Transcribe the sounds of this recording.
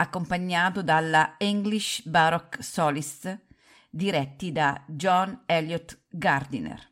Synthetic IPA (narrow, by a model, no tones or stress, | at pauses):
akːompaɲːaːt̪ud̪alːaiŋɡliʃbaɾɔksɔːlist̪ | d̪iɾɛt̪ːid̪ad͡ʒɔnɛljɔt̪ | ɡard̪inɛ̰r